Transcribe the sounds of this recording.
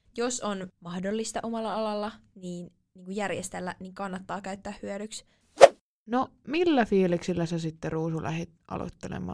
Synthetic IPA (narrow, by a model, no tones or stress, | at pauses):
josonmɑhdolːist̪ɑʔo̞mɑlːɑɑlɑlːɑniːn | niːŋkujærjest̪elːæniŋkɑnːɑt̪ːɑːkæyɥt̪ːæːhhyœdyks | nomilːæfiːliksilːæsesit̪ːeruːsulʔæ̰het̪ʔɑ̰lo̰t̪ːelḛmɑ̰ː